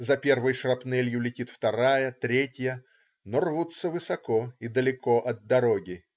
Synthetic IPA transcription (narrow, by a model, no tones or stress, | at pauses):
zɐpʲe̞rvɨjʂrɐpnɛlʲjʊlʲɪtʲit̪ft̪ɐɾajət̪ɾʲetʲjə | norvut̪sːəvɨsɐkoid̪əlʲɪko̞ʔɐd̪̚d̪ɐɾoɡʲɪ